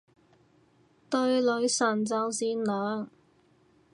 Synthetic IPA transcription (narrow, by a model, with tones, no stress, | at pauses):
t̪ɵ˧ɥlɵ˨˧ɥsɐ˨˩nt͡sɐ˨˧wsiː˨˧nlœː˨ŋ